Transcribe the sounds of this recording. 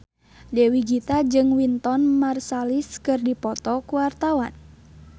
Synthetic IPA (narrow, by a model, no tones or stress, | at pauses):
dɛwiɡit̪ad͡ʒɨŋwint̪ɔnmarsaliskɨrdipɔt̪ɔkuwart̪awan